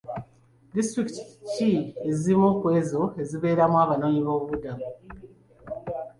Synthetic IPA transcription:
distɾikitcie̞ziimoːkwe̞ːzo̞e̞ziβe̞ːɾamwaːβano̞ːɲiβo̞ːβudamu

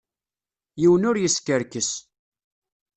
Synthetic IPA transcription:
jiwənʊɾjəskəɾkəs

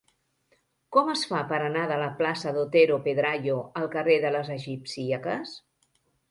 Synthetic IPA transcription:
kɔməsfapəɾənaðələplasəðot̪eɾopeðɾaʎoəlˠkəreðələzəʒipsiəkəs

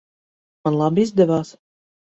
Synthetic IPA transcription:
manlˠabizd̪ɛvaːs

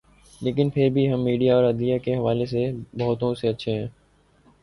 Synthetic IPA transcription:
leːkɪnpʰɪɾbʱiɦɐmːiːɖijaɔːɾɐd̪ijakeɦɐʋaːlesebɐɦʊt̪õseɐtːʃʰeɦɛ̃ː

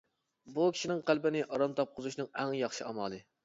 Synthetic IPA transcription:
bukʲʰi̥ʃinɪŋqʰælbɪnɪʔɑɾɑmt̪ʰɑp̚qʰʊzuʃnɨŋɛŋjɑχʃiɑmɑːlˠɨ

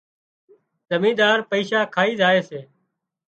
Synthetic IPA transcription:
zəmĩːd̪aːɾpəiːʃaːkʰaːiːzaːeːseː

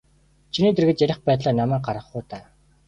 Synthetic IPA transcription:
t͡ɕʰiniːt̪̬ĕrɣɘ̆t͡ɕjæɾʲɪ̆χpæːt̪ɮaːnamæːk̚ɢaɾʁə̆χʊːt̪aː

